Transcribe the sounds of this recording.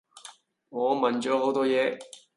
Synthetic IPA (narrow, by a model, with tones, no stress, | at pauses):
ŋɔː˨˧mɐ˨nt͡ʃɔː˨˥ho˨˥wt̪ɔː˥jɛː˨˧